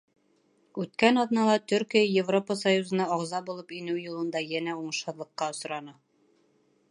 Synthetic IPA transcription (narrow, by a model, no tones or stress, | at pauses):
ʉt̪kænɒðnɑlˠɑt̪ɵɾkijəjevropəsɐjuzɤ̆nɑːʁzɑbulˠɤpinɘwjulˠɤ̆nd̪ɑjænæuɴɤ̆ʃhɤ̆ðlˠɤ̆qːɑŏs̆ɾɑnɤ